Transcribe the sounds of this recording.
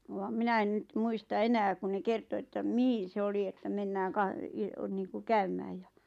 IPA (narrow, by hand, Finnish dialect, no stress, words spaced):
ʋɑm̆ minæ en nyt muistɑ enæː ku ne kerto etːæ mihin̞ se oli etːæ menːæːŋ kɑ niːŋku kæymæːj jɑ